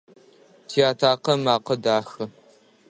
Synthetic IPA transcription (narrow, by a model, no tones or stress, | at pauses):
tʰiaːtʰaːqɐmaːqɐdaːxɨ